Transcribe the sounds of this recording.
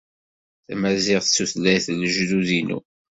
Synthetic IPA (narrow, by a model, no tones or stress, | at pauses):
θæmæzɪʁθəsːuθlːæjθləʒðuðinṵ